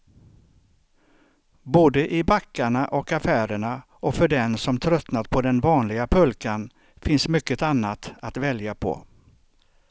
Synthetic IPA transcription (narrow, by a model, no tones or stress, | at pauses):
boːd̪əʔɪbakːaɳaʔɔkafæːɾəɳa | ɔfœɖɛnsɔmt̪ʰɾœt̪nat̪pʰɔd̪ɛnvɑːnlɪɡapʰɵlkan | fɪnsmʏkːət̪anːat̪at̪vɛljapʰɔ̰